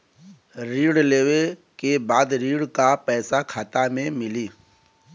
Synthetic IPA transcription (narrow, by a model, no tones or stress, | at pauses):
ɾiːɽleːwekebaːd̪ɾiːɽkapɛːsakʰaːt̪amẽmɪliː